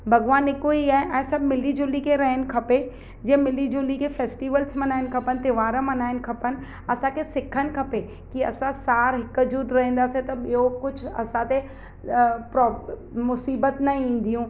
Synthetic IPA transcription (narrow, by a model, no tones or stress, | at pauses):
bɐɣʋaːnɪkuiaːɦɪ̃ʔɛ̃ːsɐbʱmɪlid͡ʒʊlikʰeɾɐɦənɪ̆kʰɐpe | d͡ʑɛ̃ɦmɪlid͡ʒʊːlikʰefeːsʈiːʋəlsmɐnaːɪnkʰɐpənɪt̪ɪʋaːɾəmɐnaːɪnɪ̆kʰɐpənɪ̆ | ɐsãkʰesɪkʰənɪ̆kʰɐpe | kiɐ̰sãsaːɾɦɪkd͡ʒuːd̪ɾɐɦĩːn̆d̪aːset̪ɐɓijokʊd͡ʑʱʰʊɐ̰sãt̪e | pɾɔːmʊsiːbət̪nɐĩːn̆d̪ijũː